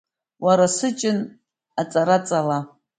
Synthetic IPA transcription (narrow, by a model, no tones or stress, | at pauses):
waɾasɨt͡ʃʼɪn | at͡sʼaɾat͡sʼala